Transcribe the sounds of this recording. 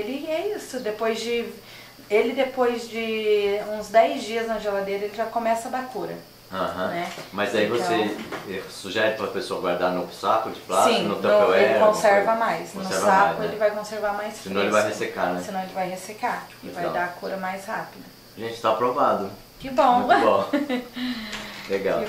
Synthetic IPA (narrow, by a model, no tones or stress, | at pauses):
elɪɛisʊd̪epojzd͡ʒɪ | elɪd̪epojzd͡ʒɪũzd̪ɛjzd͡ʒiɐznɐʒelad̪eɾɐelɪʒakõmɛsɐd̪akoɾɐ | aɦɐ̃nɛmɐzd̪aivosseɛsuʒɛɾɪpɾɐpesoɐɡwaɾd̪aɾnovʊsakʊd͡ʒɪplasĩnot̪ɐ̃peelɪkkõssɛɾvɐmajsnõʊsɛsɾvakʊelɪvajkõseɾvaɾmajssɪnɐ̃welɪvajhesekanɛsɪnɐ̃w̃elɪvajhesekaɪvajd̪akʰoɾɐmajshapid̪ɐ | ʒẽnt͡ʃɪ̥t̪apɾovad̪ʊ | kɪbõw̃bõ | leɡaw